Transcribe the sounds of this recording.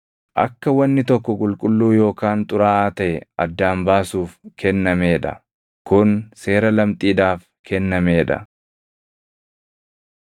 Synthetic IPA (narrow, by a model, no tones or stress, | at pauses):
ʔɐ̰kːɐwɐnːɪt̪ɔkːɔkʼʊlkʼʊlːuːjo̞ːkaːnt̪ʼʊɾaːʔaːt̪ɐʔɛɐ̰d̪ːaːmbaːsuːfkʰɛnːɐme̞ːᶑɐ̰ | kʊnse̞ːɾɐlɐmt̪ʼiːd̪aːf | kʰɛnːɐme̞ːᶑɐ̰